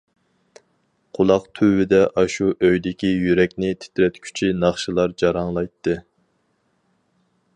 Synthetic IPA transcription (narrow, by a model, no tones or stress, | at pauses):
qʰʊlˠɑqt̪ʰywɪd̪ɛʔɑʃuʔøjd̪ɪkʲijyɾɛkʲnɪt̪ʰɪ̥t̪ʰɾɛt̪kʲʰy̥t͡ʃʰinɑχʃɨlˠɑɾd͡ʒɑɾɑŋlˠɑjt̪ʰːɨ